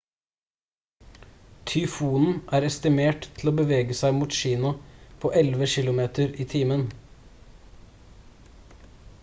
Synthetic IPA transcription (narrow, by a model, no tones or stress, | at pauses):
t̪ʰʏfuːnn̩ʔæːɾɛst̪ɪmeːʈt̪ʰl̩oːbəʋeːɡəsæɪmuːt̪ʃiːnʊpʰoːʔɛlʋəʃɪlʊmeːt̪əɾiːt̪ʰiːmən